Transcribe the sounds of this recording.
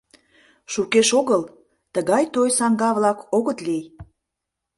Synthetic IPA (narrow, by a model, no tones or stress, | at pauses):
ʃukeʃoɣəl | t̪əɣɑjt̪ojsɑŋɡɑβlɑkoɣət̪lej